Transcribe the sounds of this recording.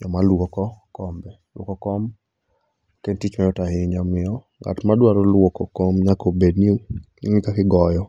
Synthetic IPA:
ɲɔmalwokɔkɔmbɛ | lwɔ̰kɔkɔm | kentit͡ʃmɛɔtahɪɲamɪɔ | ŋa̰tmadwaɾɔlwɔkɔkɔmɲakobedni | ŋɪkakɪɡɔjɔ

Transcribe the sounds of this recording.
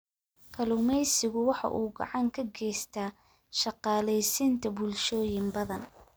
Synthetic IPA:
kʰɐlʊmɛjsɪɣʊwɑħɑ̰ʔuːɡɐ̰ʕɑŋkʰɐɡɛːjst̪ʰaː | ʃɑqɑːlɛjsɪnt̪ʰɐbʊlʃɔːjɪmbɐðɐn

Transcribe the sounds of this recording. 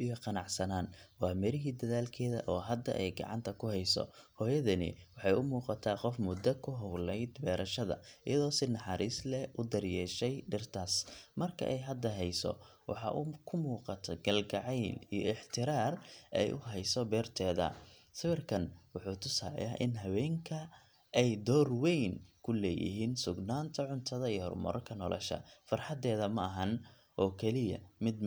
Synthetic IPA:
ijɔqɑnɑʕsɐnaːnwɑːmɛɾɪɦiːd̪ɐðaːlkʰɛːðɐ̰ʔɔːɦɐd̪ɐ̰ʔɛjɡɐ̰ʕɑ̰nt̪ʰɐkʰʊhɛjsɔ̰hɔːjɐðɐnɪ̰wɑħɑjʊmuːqɑt̪ʰaːqɔfmʊd̪ɐkʰʊɦɔwlɛjd̪bɛːɾʔɐʃɐðɐ̰ʔɪ̰jɐðɔːsɪnɑħɑːɾiːslɛʔʊd̪ɐrjɛːʃɛjɖɪrt̪ʰaːsmɐrkʰɐ̰ʔɛjɦɐd̪ɐɦɛjsɔ̰wɑ̰ħɑ̰ʔʊkʰʊmuːqɑt̪ʰɔɡɐlɡɐʕɛjlijɔʔɪħt̪ʰɪɾaːrʔɛ̰jʔʊɦɛjsɔbɛːrt̪ʰɛːðɐ̰sɪwɪrkʰɐnwʊħuːt̪ʰʊsaːl̰jaʔɪnɦɐwɛːŋkʰɐ | ʔɛjd̪ɔːrwɛjnkʰʊlɛːjɪ̰ɦiːnsʊɡnaːnt̪ʰɐʕʊnt̪ʰɐðɐijhɔ̰rmɔ̰ɾʔɐ̰kʰɐnɔ̰lʔɔ̰ʃɐ̰fɐrħɑd̪ɛːðɐmɐɐɦɐn | ʔɔːkʰɛlɪjɐ̰mɪd̪

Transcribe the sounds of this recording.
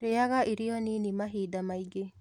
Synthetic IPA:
ɾeaɡaʔiɾijoninimɐɦiːd̪ɐmɐjɡe

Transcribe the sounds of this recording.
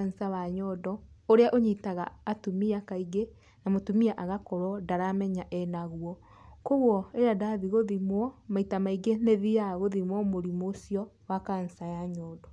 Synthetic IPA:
ansawaɲɔdɔoɾeaʔoɲitaɣa̰ːtumiakaiɡe | namotumiaʔaɣakɔɾɔdaɾamɛɲaʔɛnaɣwɔ | koɣwɔeɾadaðiɣoðimwɔmaitamaiɡeneðijaɣoðimwɔmoɾimosiɔ | wakan̩sajaɲɔːdɔ

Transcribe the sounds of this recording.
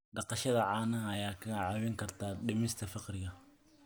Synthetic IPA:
ɖɑqɑʃɐðɐʕɑːnɐɐjaːkʰɐɣɐʕɑβɪŋkʰɐrt̪ʰaːɖɪmɪst̪ʰɐfɪqrɪɣɐ

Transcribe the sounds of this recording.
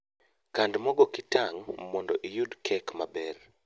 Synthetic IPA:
kandmɔɡɔkitaŋmɔndɔʔijudkʰɛkmabɛr

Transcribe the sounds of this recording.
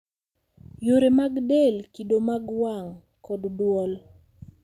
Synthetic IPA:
joɾemaɡdelkidomaɡwaŋ | kɔddwɔl

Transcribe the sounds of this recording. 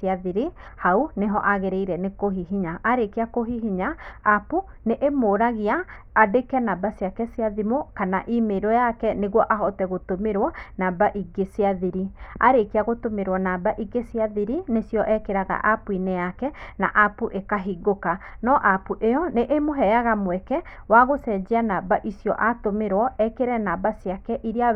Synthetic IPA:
siaðiɾi | hauneɦɔʔaɣeɾeiɾɛnekoɦiɦiɲaʔaɾekeakoɦiɦiɲaːpu | neʔemoɾaɣiaː | dekɛnabasjakɛsiaðimokanaʔimeɾɔjakɛneɣwɔʔaɦɔtɛɣotomeɾwɔnabaʔiɡeseaðiɾia̰ɾekeaɣotomeɾwɔnabaʔiɡeseaðiɾinesjɔʔɛkeɾaɣa̰ʔapuinejakɛna̰ʔapuʔekaɦiɡokanɔʔapuʔeɔneʔemoɦɛjaɣamwɛkɛ | waɣosɛd͡ʒeanabaʔisjɔʔatomeɾwɔɛkeɾɛnabasiakɛʔiɾea

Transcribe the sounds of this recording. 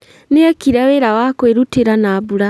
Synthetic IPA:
neakiɾaweɾawakweɾuteɾanaβuɾa

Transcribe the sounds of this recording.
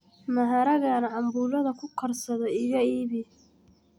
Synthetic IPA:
mɐɦɐɾɐɣanɐʕɑmbuːlɐðɐkʰʊkʰɐrsɐðɔɪɣɐiːβɪ

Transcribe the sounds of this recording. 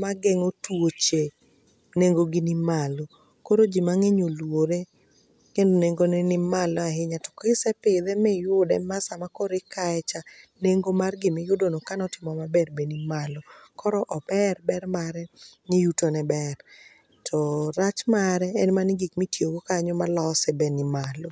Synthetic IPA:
maɡɛŋotwot͡ʃe | neŋɡoɡɪnɪmalo | koɾod͡ʒimaŋeɲolwoɾe | kendoneŋɡonɛnɪmalɔaɦɪɲatɔ̥kɪsɛpɪd̪ɛmɛjʊdɛmasamakɔɾɪkaɛt͡ʃaneŋɡomarɡɪmɪjʊdonokanɔtɪmɔmabɛrbenimalɔkɔɾɔʔɔbɛrbɛrmaɾɛnɪjutonɛbɛr | tʰɔɾat͡ʃmaɾɛːnmanɪɡikmitjoɡokaɲɔmalɔsɛbɛnɪmalo

